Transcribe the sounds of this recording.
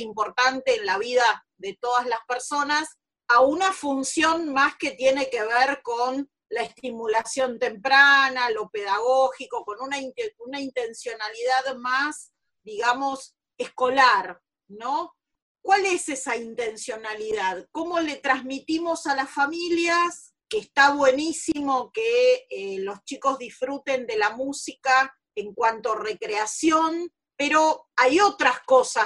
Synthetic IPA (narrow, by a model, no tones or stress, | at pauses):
impo̞ɾt̪ant̪eːnlaβ̞iða | ðet̪o̞ð̞azlaspeɾso̞nas | aunafunsjo̞nmaske̞t̪je̞ne̞keβeɾkon | laest̪imulasjo̞nt̪e̞mpɾanalo̞pe̞ðaɣoxiko̞ko̞nunaiunaint̪e̞nsjo̞naliðaðmas | d̪iɣamo̞s | esko̞laɾ | no̞ | kwalesesaint̪e̞nsjo̞naliðaðko̞mo̞le̞t̪ɾazmit̪imo̞salasfamiljas | keːst̪aβwe̞nisimo̞keelo̞st͡ʃiko̞zðisfɾut̪e̞nd̪elamusika | eŋkwant̪ore̞kɾeasjo̞n | peɾo | ajo̞t̪ɾaskosa